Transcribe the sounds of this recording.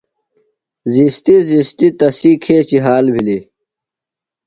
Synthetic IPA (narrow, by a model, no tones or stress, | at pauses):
zist̪izist̪it̪ɐsikʰeːt͡ɕiɦaːlbʱili